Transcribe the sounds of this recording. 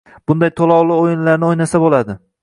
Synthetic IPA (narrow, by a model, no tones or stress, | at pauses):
b̥ʊnd̪ajt̪ʰolˠɒwlˠɪojɪnlaɾnɪojnasabolad̪ɪ